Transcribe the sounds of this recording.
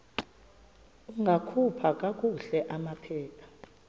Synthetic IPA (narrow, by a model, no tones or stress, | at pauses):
uŋɡʱakʰupʰak̬ʼak̬ʼuɬɛʔamapʰɛːpʰḁ